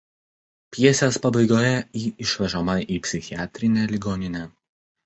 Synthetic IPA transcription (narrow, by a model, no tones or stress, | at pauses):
pʲjɛsʲeːspɐbɐɪɡoːjɛiːɪʃʲʋʲɛʒɔmɐʔiːpʲsʲɪxʲɪæːt̪ʲɾʲɪnʲelʲɪɡoːnʲɪnʲɛ